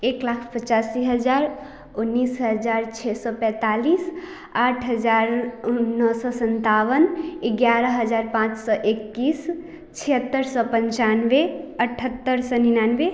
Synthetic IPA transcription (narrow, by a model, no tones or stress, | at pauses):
eklakʰpət͡ʃasiɦəd͡ʒaɾ | unːisɦəd͡ʒaɾt͡ʃʰɛsɔpɛ̃t̪alis | aʈʰɦəd͡ʒaɾunːəsɔsənt̪awəneɡjaɾəɦəd͡ʒaɾpãt͡ʃsɔʔekːis | t͡ʃʰiət̪ːəɾsɔpəɲt͡ʃanʋeəʈʰət̪ːəɾsɔninanʋe